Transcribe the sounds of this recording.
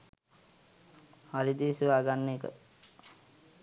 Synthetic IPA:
haɾid̪iʋisiʋaːɡanːekə̰

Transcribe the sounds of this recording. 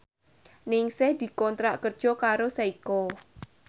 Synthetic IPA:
nɪŋsɪhd̪̥i̤kɔnt̪ɾaʔkərd̥ʒ̥ɔ̤kaɾosaikɔ

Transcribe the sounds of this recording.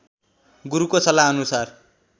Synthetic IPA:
ɡuɾukosʌlaʌnusar

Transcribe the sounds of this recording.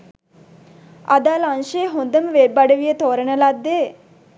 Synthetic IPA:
ad̪aːlanʃejɦond̪əməʋebːaɖəʋijət̪oːɾənəlad̪ːeː

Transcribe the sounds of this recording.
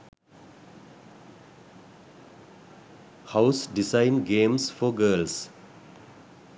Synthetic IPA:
haʊsɖɪsãɪnɡẽːmsfɔɡəːls

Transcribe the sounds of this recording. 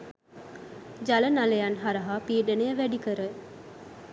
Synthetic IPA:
d͡ʒalənalejanɦaɾəɦapiːɖənejəʋæɖikəɾə

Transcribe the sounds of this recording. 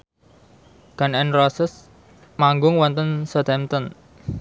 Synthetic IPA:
ɡ̥a̤nɛnrɔsəs | maŋɡʊŋwɔnt̪ənsɔt̪ɛmt̪ən

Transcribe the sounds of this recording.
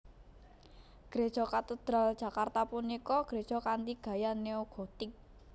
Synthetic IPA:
ɡ̥ɾed̥ʒ̥ɔ̤kat̪əd̪̥ɾa̤ld̥ʒ̥ä̤kart̪apunikɔɡ̥ɾed̥ʒ̥ɔ̤kand̪iɡ̥a̤janeoɡ̥ɔt̪ɪk̚

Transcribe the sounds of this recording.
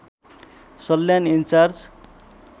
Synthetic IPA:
sʌlːjanint͡saɾd͡z

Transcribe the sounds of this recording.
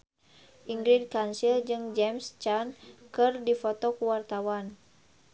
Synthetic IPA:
ʔiŋɡɾid̚kansild͡ʒɨŋd͡ʒɛmst͡ʃankɨrdifɔt̪ɔkuwart̪awan

